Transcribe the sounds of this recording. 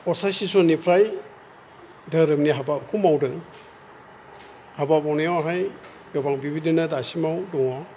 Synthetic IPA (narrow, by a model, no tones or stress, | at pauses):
ɔsasisɔnipʰɾaj | daɾɯmniɦabap̚kʰumawdɯŋ | habapawnijwaɾaj | ɡɔbaŋbibidinadasimawdɔŋwa